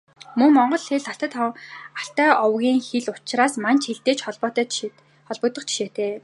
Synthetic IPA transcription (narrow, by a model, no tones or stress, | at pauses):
mɵŋmɔɴɢɞ̆ɮxeɮaɬt̪ə̆t̪aɬt̪œːʔɔwɣʲiːŋxeɮʊt͡ɕraːsmant͡ɕxeɮt̪eːt͡ɕχɔɮpɔːt̪ː | χɔɮpɞ̆ːt̪ɞ̆qt͡ɕʰi̥ʃeːt̪ʰeː